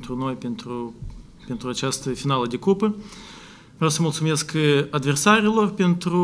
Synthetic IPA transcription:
nt̪ɾʊnojpʲɪnt̪ɾu | pʲɪnt̪ɾuɐt͡ɕast̪ɨjfʲɪnalˠədʲɪkupɨ | vʲosʲəmʊlˠsʊmʲet̪skəjɐd̪vʲɪrsaɾʲɪlˠorpʲɪnt̪ɾu

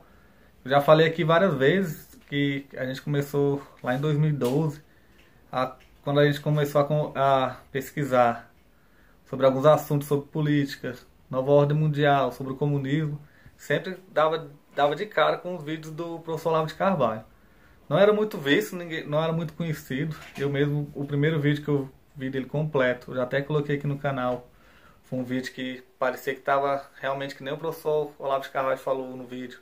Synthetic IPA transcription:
ewʒafalejakivaɾiɐzvezɪs | kɪaʒẽnt͡ʃɪ̥kõmesolaẽd̪ojzmiwid̪ozɪ | a | kwɐ̃nd̪ʊaʒẽnt͡ʃɪ̥kõmesoɐkõɐpeskizaɾ | sobɾɪawɡũzasũt̪̬ʊsːobɾɪpulit͡ʃi̥kɐ | nɔvɐɔɾd̪ẽj̃mũd͡ʒiawsobɾɪʊkomũnizmʊ | sẽpɾɪd̪avɐd̪avɐd͡ʒɪkaɾɐkõʊzvid͡ʒʊzd̪ʊpɾofesoɾlavʊd͡ʒɪkahvaʎʊ | nɐ̃w̃ɛɾɐmũj̃t̪ʊvisjʊnĩɡẽj̃nɐ̃w̃ɛɾɐmũj̃t̪ʊ̥kõɲesid̪ʊewmezmʊʊpɾimejɾʊvid͡ʒʊkɪew | vid̪elɪkõmplɛt̪ʊwʒaːt̪ɛkolokejakinʊkãnaw | fojũvid͡ʒʊkɪpaɾesiɐkɪ̥t̪avɐheawmẽnt͡ʃɪkɪnẽj̃ʊpɾofe̥soɾolavʊd͡ʒɪ̥kahvaʎʊfalownʊvid͡ʒʊ

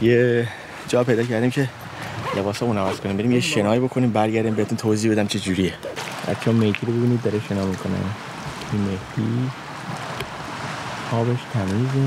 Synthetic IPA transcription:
je | d͡ʒɒːpʰe̞jd̪ɒːcʰæɾd̪iːmcʰe̞ | lʔe̞bɒːsɒːmunævæskʰo̞niːmbeɾiːmjeʃe̞nɒːibo̞kʰo̞niːmbæɾɟæɾd̪iːmbeet̪unt̪ʰoːziːhbe̞d̪æmt͡ʃʰed͡ʒuɾiebæ̰t̪t͡ʃʰːɛmejkʰiɾobebiniːd̪d̪ɒɾeʃenɒːmikʰonæ̰nʰ | imehd̪i | ɒːbeʃt̪ʰæmiːze

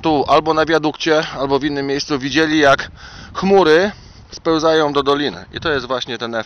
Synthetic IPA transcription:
t̪uʔalbɔnavʲjad̪ukt͡ɕɛalbɔvʲinːɘmʲːjejst̪suvʲid͡ʑelʲijakxmuɾɘ | spɛ̃w̃zajɔ̃w̃d̪ɔd̪ɔlʲinɘ̰ʔḭt̪ɔjɛst̪vwaɕɲɛt̪ɛnɛ

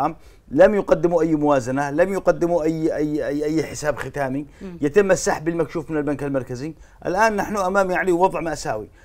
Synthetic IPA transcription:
am | lamjʊɡad̪ːɪmuʔajːmʊwaːzanalamjʊqad̪ːɪmuʔajːʔajːaʔajːħɪsaːbxɪt̪aːmijɪt̪ɪmːʔasːaħbɪlmakʃuːfmɪnalbankalmɑɾˤkaziʔa̰lʔaːnːaħnuʔamaːmiʕaliwwɑðˤʕmaʔasaːwi

